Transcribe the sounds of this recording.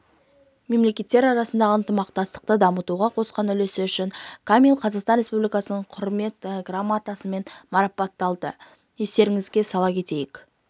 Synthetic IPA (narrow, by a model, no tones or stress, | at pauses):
me̞mle̞kʲe̞t̪ːe̞ɾɑɾɑsənd̪ɑʁənt̪əmɑqt̪ɑst̪ə̥q̚t̪əd̪ɑmət̪uʁɑqʰo̞sqɑnʏle̞sɪʏʃɪŋkʰamʲilˠqʰɑzɑqst̪ɑnre̞spublʲijkɑsənəɴqʰʊɾme̞t̪ɡramːat̪asəme̞nmɑɾɑpɑt̪ːɑlˠd̪ə | je̞st̪e̞ɾɪŋɪzɡʲe̞sɑlˠɑkʲʰe̞t̪e̞jɪk